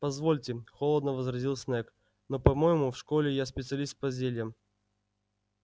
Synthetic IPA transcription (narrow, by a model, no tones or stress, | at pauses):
pɐzvolʲtʲɪxolˠəd̪nəvəzɾɐzʲilˠsʲnɛk | nopɐmojɪmʊfʂkolʲɪjaspʲɪt̪sɨɐlʲist̪̚pɐzʲelʲjəm